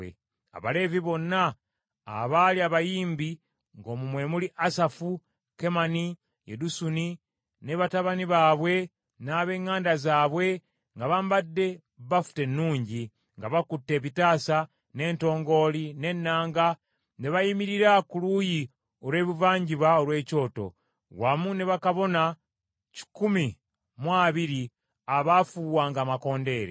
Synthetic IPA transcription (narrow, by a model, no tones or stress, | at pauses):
ḛ | a̰βale̞ːviβo̞nːa̰ː | βaliaβajiːmbi | ŋɡo̞ːmumwe̞muliʔasafu | ke̞mani | jḛdusuni | ne̞βataβaniβaːβwe̞ | naːβe̞ːŋːaːndazaːβwe̞ | ŋɡaβambadːe̞ | βafu̥te̞nːuːɲɟi | ŋɡaβakutːe̞ːβitaːsa | ne̞ːnto̞ːŋɡo̞line̞nːaːŋɡa | neβajimiɾiɾakuluji | oɾwe̞ːβuvaːɲɟiβaoɾwe̞ːco̞ːto̞̰ | wamuneβakaβo̞na | ci̥kumi | mwaːβiɾi | aβafuːβwaːŋɡaːmako̞ːnde̞ːɾḛ